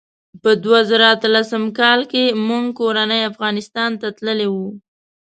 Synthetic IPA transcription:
pəd̪wazaɾaat̪əlasəmkɑlkemuŋɡkoɾanəjafɣɑnɪst̪ɑnt̪at̪ləlewu

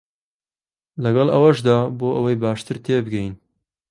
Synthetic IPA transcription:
lɐɡɐlˠʔɐwɐʃd̪aːboːʔɐwɐjbaːʃt̪ɨɾt̪ʰeːbɨɡɛjin

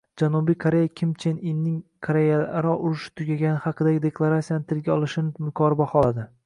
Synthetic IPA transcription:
d͡ʒanubijkʰoɾe̞jakʲʰɪmt͡ʃʰeninːɪŋkʰoɾejaɾɒʊɾʊʃɪ̥t̪ʰʊɡʲaɡʲanɪhɑqɨd̪aɡʲɪd̪e̞kʰlˠaɾat̪sijanɪt̪ʰɪlɡʲaɒlˠɪʃɪnɪmʊkʲʰɒɾbɒχɒlˠad̪ɪ

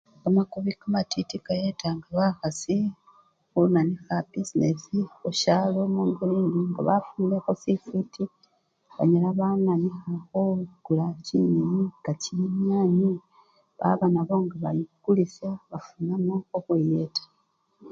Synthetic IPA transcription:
amakuβikamatitikajetaŋɡaβaxasi | xumanixabisinesixuʃalo̞muːŋɡuliːndiŋɡa̰βafunexosifiti | βa̰ɲalaβamanixaxoɡ̥ulaciɲijiɡaciɲaːɲi | βa̰βamaβo̞ŋɡaβajiukulisaβafunamooxwijetḁ

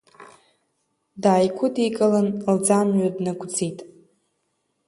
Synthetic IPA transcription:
daːjkʷʰʊdikʼalanld͡zamɥadnaɡʷʰʼd͡zijtʼ

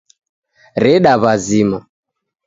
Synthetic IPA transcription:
ɾɛɗaβazima

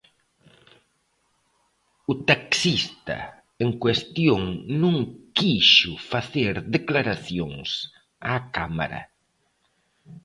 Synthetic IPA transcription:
ʊt̪aksist̪ɐ̰ | eŋkwest̪joŋnũŋkiʃʊfaθeɾðeklaɾaθjoŋs | aːkama̰ɾɐ̰

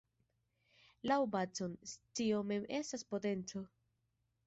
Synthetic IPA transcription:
lawbat͡sonstiome̞me̞staspo̞te̞nt͡so̞

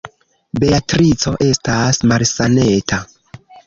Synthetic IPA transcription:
be̞atɾit͡so̞ʔe̞stasmalsane̞tʰa

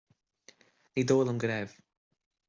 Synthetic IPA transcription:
nidoːlˠənɡɾɛv̥

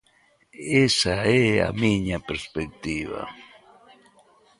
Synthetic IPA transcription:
esaea̰miɲapeɾspek̚t̪iβa̰

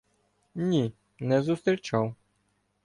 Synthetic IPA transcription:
nʲi | nɛzust̪ɾʲit͡ʃaw

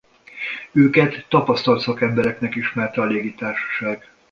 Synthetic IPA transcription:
øːkɛt̪ːɒpɒst̪ɒlt̪sɒkɛmbɛɾɛknɛkiʃmɛrt̪ɛɒleːɡit̪aːrʃɒ̥ʃaːɡ

